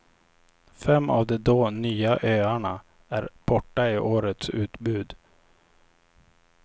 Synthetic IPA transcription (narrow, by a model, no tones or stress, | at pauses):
fɛmːʔa̰vd̪ɛd̪oːnyːaʔøːaɳa | æɾb̥ɔʈːaɪʔoːɾət̪sʉ̟ːt̪bʉːd̪